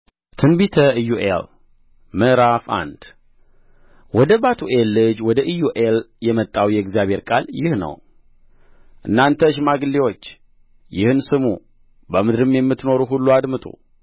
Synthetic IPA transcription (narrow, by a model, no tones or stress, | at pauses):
t̪ʰɨnbit̪ʰəɨjuʔḛl | mɨɾafa̰nd̪̥ | wɔd̪əbat̪ʰuʔelːɨd͡ʒwɔd̪əʔɨjuʔeljɛmət̪ʼːawjɛɛɡzijaβhe̞ɾkʼaljɪhnə̰w | ʔɨnːant̪ʰəɨʃ̬maɡɨlːiwo̞t͡ʃː | jɪhɨnsɨmṵ | bəmɨd̪ɾɨmjɛmːɨt̪no̞ɾuɦulːuad̪mɨt̪ʼṵ